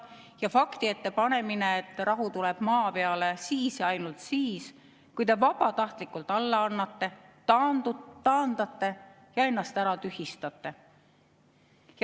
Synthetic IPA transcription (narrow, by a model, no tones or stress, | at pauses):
jɑfɑkt̪ie̞t̪ːe̞pɑne̞mineːt̪ːˑrɑɦut̪uleb̥mɑːpe̞ɑle̞siːsjɑɑjnult̪siːs | kujt̪e̞vɑb̥ɑt̪ɑht̪likːˑult̪ːˑɑlːɑɑnːɑt̪ːe̞t̪ɑnuɑːnd̪̥ɑt̪ːe̞ | jɑe̞nːɑst̪æɾɑt̪yhist̪ɑt̪ːˑe̞ | j